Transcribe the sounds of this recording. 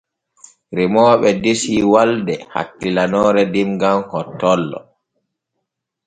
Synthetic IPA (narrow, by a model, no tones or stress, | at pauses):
ɾimɔːɓɛdesiwaldɛha̰kːilanɔːɾɛdimɡamhɔtːɔlːɔ̰